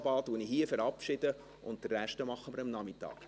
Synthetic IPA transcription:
bɑːt̪uəniɦiəfɛɾɑpʃɪd̥ə | ʊnt̚d̥ərːæʃtəmɑχːəməɾəmnɑmɪtːɑ̰ːk

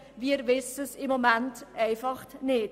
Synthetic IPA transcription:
viːɾvɪsəsɪmomæntʔɛɪfɑχtnɪt

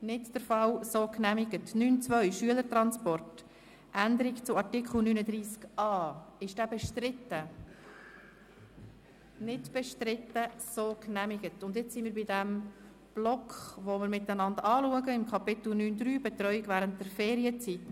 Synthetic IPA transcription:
nɪtd̥əɾfɑwsoːknæmɪɡətnyːnt͡svœʏʃyələɾtɾɑnspɔrt | ʔændəɾikt͡sʊɑrtɪkχl̩nyːnəd̪ɾiːskʔɑːɪʃd̥æːbɛʃtɾɪtːə | nɪdb̥ɛʃtɾɪtːəsoːknæmɪɡətʊndjɪt͡ssimɪːɾbidɛm | b̥lɔkχʋomɪːɾmɪtːənɑndɑːluəɡəɪmkʰɑpɪt̪l̩nyːnd̪ɾyːbɛt̪ɾœʏɪɡvæːɾənt̚d̥ɛɾfɛːɾiət͡sit

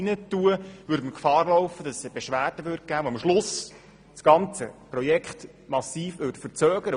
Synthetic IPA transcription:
inət̪ːuəʋʉːɾdməkfɑːrlɔwfəd̥ɑsb̥eʃʋæːrd̥əʋʏɾd̚ɡ̥æːomʃlʊs | sɡ̥ɑnt͡səprɔjɛkχt | mɑsiːfʋʏtfərt͡sœːɡ̥əɾə

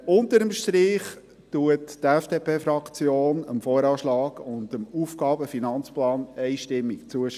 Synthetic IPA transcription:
ʊnt̪əɾəmʃtɾiːχ | tuəttɛfd̥eːpʰeːfɾɑkt͡sjoːnəmfɔːɾɑːʃlɑːɡʊndəmuːfɡ̥ɑːbəfinɑnt͡splɑːnɛɪʃtɪmːikt͡suəʃ

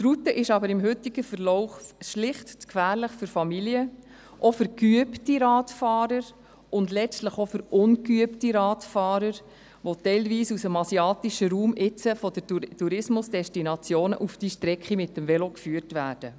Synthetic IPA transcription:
t̪rut̪əʔɪʃɑbəɾɪmɦɵt̪iɡ̥əfəɾlɔʊχʃlɪχtt͡skfæːɾləχfʏɾfɑmiliə | ʔɔfʏɾkyəptiɾɑːtfɑːɾəɾ | ʊnd̪lɛt͡stləχofʏɾʊnkyəptiɾɑːtfɑːɾəɾ | ʋot̪ɛɪlʋiːsusəmɑsiɑːt̪iʃəɾuːmʔɪt͡səfɔd̥ətuɾɪsmʊsd̥ɛstinɑt͡sjoːnə̰ʔufd̥iːʃtɾɛkχimɪt̪ːəmvɛlokfyːərtʋæːɾd̥ə

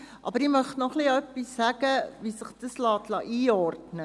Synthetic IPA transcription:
ʔɑ̰bəɾiməχnɔχliəpisæɡəviːsəχd̥əslɑːtlɑ̰ːʔiːɑːrdnə

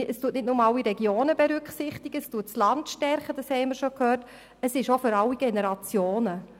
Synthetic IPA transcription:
əstuːətnɪt̚nʊmɑlːiɾɛɡjoːnəbɛɾʏkχsɪχtɪɡ̥əstuːtt͡slɑntʃtɛɾχəd̥ɑshɛɪməɾʃokhøːɾt | əsɪʃoføɾɑliɡ̥ɛnɛɾɑt͡sjoːnə

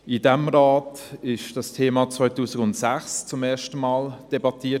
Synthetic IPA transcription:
ɪdɛmɾaːt | ɪʃd̥ɑstʰeːmɑt͡svɔʏtuːsɪɡʊntsæχst͡sʊmeːɐʃtəmɑːld̥ɛbɑtʰiːə

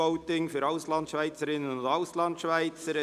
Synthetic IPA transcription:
oʊtɪŋfyɾɑʊslɑntʃvaɪt͡səɾɪnənʊndɑʊslɑntʃvaɪt͡səɾə

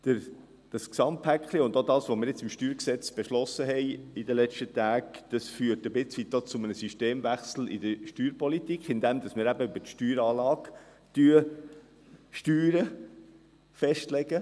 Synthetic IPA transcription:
d̪̥əɾ | d̥ɑsksɑmthækχliʊnd̪odɑːsʋomɪːɾjɪt͡sɪmʃtyːɾksɛt͡sb̥ɛʃlɔsəɦɛɪid̪əlɛt͡ʃtət̪æːɡd̥ɑsfyːtəbɪt͡sʋit̪̚doːt͡sʊmənəsyʃteːmvæχsl̩ḭd̥̪əʃtyːɾpɔlit̪ikχɪnd̪ɛmd̥̪ɑsmɪːɾæbəybətʃtyːɾɑːlɑːɡ | t̪yːə | ʃtyːɾə | fɛʃtlɛɡ̥ə

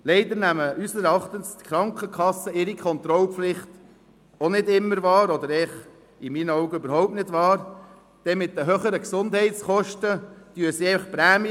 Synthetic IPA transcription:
lɛɪd̪əɾnæməʔysəɾɑχt̪ənst̪kχɾɑŋkχəkʰɑsːəɪɾikʰχɔnt̪ɾɔlpflɪχt̪ | ɔnɪdɪmːəɾvɑːɾɔd̪əɾɛχ | ɪmiːnɔʊɡəøbəɾɦɔʊp̚tnɪdvɑːɾ | d̪̥ɛmɪt̚dəɦøχəɾəksʊnd̥̪hɛɪtsχɔʃtəd̥yːəsiɛɪfəχpɾæːmj

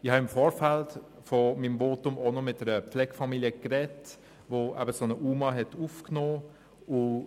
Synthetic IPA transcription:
ɪhɑɪmfoːɾfɛlt | fomimvoːtʊmonomɪt̚dɛɾəpp͡flɛɡ̥fɑmiliəkrɛt | voːʔæ̰bəsonəʔuːmɑɦɛtufknoː | ʊ

